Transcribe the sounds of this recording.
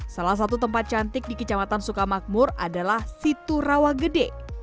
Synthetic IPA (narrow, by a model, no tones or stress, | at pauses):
salahs̬at̪ut̪əmpat̪̚t͡ʃant̪ɪk̚dikət͡ʃamat̪ansukamak̚mʊradalahsit̪urawaɡədɛ